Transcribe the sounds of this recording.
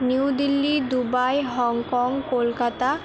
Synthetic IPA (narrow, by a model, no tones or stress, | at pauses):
niwd̪ilːid̪ubajɦɔŋkɔŋkolkat̪a